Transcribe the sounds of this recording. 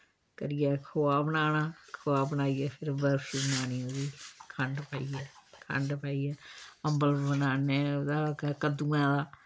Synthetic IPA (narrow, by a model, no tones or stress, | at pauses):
kə̰ɾɪjɛːkʰoaːbənaːnaːkʰʊaːbənaːijɛːpʰɪɾbəɾfiːbənaːniːõdiːkʰəɳɖpaːiːɛːkʰə̰ɳɖpaːiːɛːəmbəlbənaːneːd̪aːkːkəd̪uːãːd̪aː